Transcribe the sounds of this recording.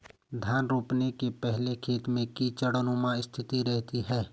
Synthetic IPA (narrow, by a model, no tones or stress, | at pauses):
d̪ʱjaːnɾoːpnekepɛɦlekʰeːt̪mẽkit͡ʃəɽənomãɪst̪ʰɪt̪iɾɛɦt̪iɦɛː